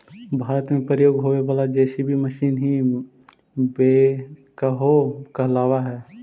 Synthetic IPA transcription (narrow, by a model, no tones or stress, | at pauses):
bʱaːɾət̪mẽpɾəjoːɡɦoʋeʋaːlad͡ʒɛːsibʱiməʃiːnɦi | bekəɦokəɦlaːʋaɦɛː